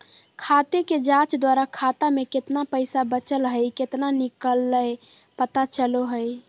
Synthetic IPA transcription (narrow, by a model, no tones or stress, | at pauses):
kʰat̪eked͡ʒãt͡ʃd̪waɾakʰat̪ameket̪napəjsabət͡ʃəlɦəjket̪nanikəlːəj | pət̪at͡ʃəloɦəj